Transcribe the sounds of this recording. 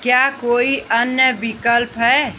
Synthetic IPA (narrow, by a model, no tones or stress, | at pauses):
kjakoiʔənjəbikəlpɦɛe